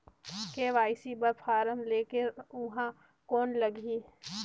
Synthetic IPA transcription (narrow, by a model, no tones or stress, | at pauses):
keːʋaːɪsibɐɾpʰaːɾəmleːkeʊɦã | koːnlɐɡʱiː